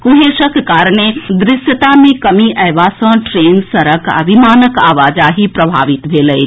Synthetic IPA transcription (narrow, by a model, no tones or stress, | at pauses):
kuɦeʃəkːaːɾned̪ɾɪʃjət̪amẽkəmiʔɛːʋasə̃ʈɾeːnsəɾəkə̰bʱimaːnəkaːʋaːd͡ʒaɦipɾəbʱa̰ːʋit̪bʱeːlɛj